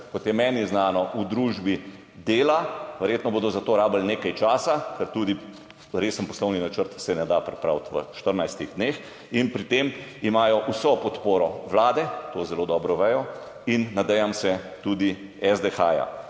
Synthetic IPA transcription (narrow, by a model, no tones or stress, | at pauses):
kɔt̪jɛmɛːniznaːnɔʔud̪ɾuːʒbi | d̪eːlaʋɛɾjeːt̪nɔboːd̪ɔzat̪oːɾaːbəlneːkajt͡ʃaːsakɛɾt̪uːd̪i | ɾesənpɔslɔwninat͡ʃəɾt̪sɛnɛd̪apɾɛpɾawt̪ʋə̰ʃt̪əɾnajst̪iɣd̪neːx | inpɾit̪emimaːjɔʔusɔpɔt̪poːɾɔʋlaːd̪ɛt̪oːzɛloːd̪ɔːbɾɔʋɛjɔ | inːad̪ɛjamsɛt̪uːd̪i | ɛzd̪ɛxaːja̰